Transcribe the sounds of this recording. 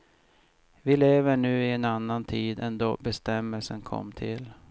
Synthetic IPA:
vɪleːvəɳʉ̟ːɪɛnanːant̪ʰiːd̪ɛnd̪ɔbɛst̪ɛmːəlsənkʰɔ̰mːt̪ʰɪl

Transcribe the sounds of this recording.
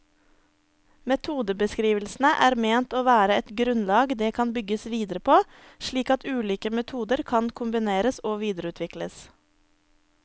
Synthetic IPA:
mɛt̪ʰuːd̪əbəskɾiːʋəlsn̩əʔæːɾmeːnt̪oːʋæːɾəɛt̪ɡɾʉnlɑːɡd̪eːkʰɑnbʏɡəsʋiːd̪əɾəpʰoː | ʃɭiːkɑt̪ʰʉːliːkəmɛt̪ʰuːd̪əɾkʰɑnkʰʊmbɪneːɾəsoːʋiːd̪əɾəʉːt̪ʰʋɪkləs

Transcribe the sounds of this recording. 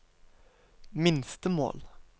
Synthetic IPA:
mɪnst̪əmo̰ːl

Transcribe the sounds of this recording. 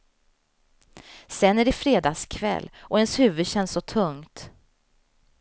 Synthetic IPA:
sɛnːæɖɛfɾeːd̪ɑːskʰvɛ̰lːʔɔɛnshʉ̟ːvɵd̪ɕɛnːsɔt̪ʰɵŋt̪

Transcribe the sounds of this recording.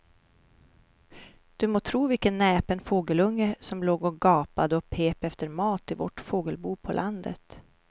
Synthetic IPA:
d̪̥ɵmoːt̪ʰɾuːvɪlkənːɛːpənfoːɡəlɵŋːəsɔmloːɡɔɡɑːpad̪əɔpʰeːpɛft̪əɾmɑːt̪ɪvɔ̰ʈfoːɡəlbuːpʰɔlʔand̪ə̰t̪

